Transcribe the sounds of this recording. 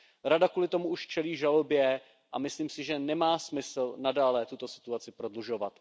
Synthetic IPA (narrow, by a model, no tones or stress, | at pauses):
ɾadakuːlɪt̪o̞muuʃt͡ʃɛliːʒalobjɛ | ʔamɪsliːmsɪʒɛnɛmaːsmɪsl̩nadaːlɛt̪ut̪o̞sɪ̥t̪uat͡sɪpɾo̞dluʒo̞vat̪